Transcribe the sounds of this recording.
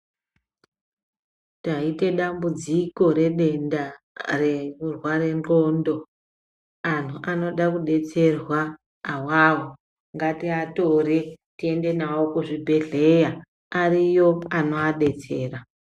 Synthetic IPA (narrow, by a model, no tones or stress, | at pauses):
taite̞ɗambud͡ziko̞ɾe̞ɗe̞nda | reurware̞nro̞ndo̞ | an̤uʔano̞ɗakuɗe̞t͡se̞rwaː | wawo | ŋɡatiatore | tie̞nde̞naokuʐibʱe̞ɮe̞ja | arijo̞ano̞aɗe̞t͡se̞ːra